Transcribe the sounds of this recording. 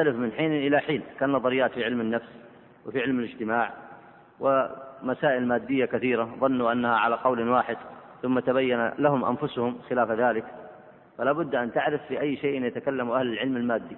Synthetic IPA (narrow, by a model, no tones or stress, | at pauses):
alɪfmɪnħiːnʔɪlaħiːnkaːnɑðˤɑɾɪjːaːt̪fiʕɪlmɪnːafs | wɪfiʕɪlmɪlɪd͡ʒt̪ɪmaːʕ | wʔɪmasaːʔɪlmaːd̪ːɪjːakaθiːɾaðˤɑnːuʔanːahaʕalaqɑwlwaːħɪd̪ | θʊmːat̪abajːanalaɦʊmʔa̰nfʊshʊmxɪlaːfðaːlɪk | falaːbʊd̪ːʔant̪aʕɾɪfːiʔajːʃeːʔɪnjat̪akalːamuʔahlɪlʕɪlmalmaːd̪ːi